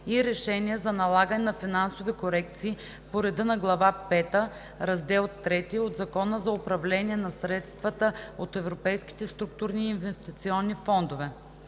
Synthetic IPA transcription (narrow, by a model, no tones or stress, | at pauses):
iɾɛʃɛniɛzɐnɐlˠaɡənɛnɐfinansovikoɾɛkt̪siː | poɾɛd̪ənɐɡlˠɐvapɛt̪ə | ɾɐzd̪ɛlˠt̪ːɾɛt̪iod̪zɐkɔnəzɐʊpɾɐvlɛniɛnɐsɾɛt̪st̪vət̪əot̪ɛvɾopɛjski̥t̪ɛst̪ɾuk̚t̪uɾniːnvɛst̪it̪siɔnːifɔnd̪ovɛ